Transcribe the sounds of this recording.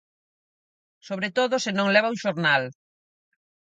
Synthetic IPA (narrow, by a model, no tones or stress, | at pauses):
soβɾet̪oðʊsenõŋlɛβauŋʃoɾnal